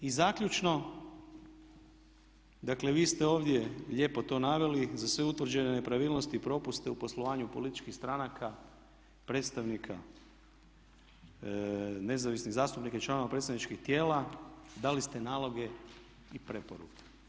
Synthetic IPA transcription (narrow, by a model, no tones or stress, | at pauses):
izakʎʲut͡ʃno̞ | d̪akle̞ʋiːst̪eo̞ːʋd̪je̞ʎe̞ːpo̞t̪o̞naʋe̞lizasʋeut̪ʋr̩d͡ʒenene̞pɾaʋiːlnost̪iːpɾo̞pust̪eupo̞slˠoʋaːɲupo̞lit̪i̥t͡ʃkixst̪ɾanakʰa | pɾe̞t̪st̪aʋnikʰa | ne̞zaʋisniɣzaːst̪upnikait͡ʃlˠano̞ʋapɾet̪st̪anit͡ʃkixt̪je̞ːlad̪alist̪e̞naːlˠo̞ɡe̞ | ipɾe̞poɾṵke̥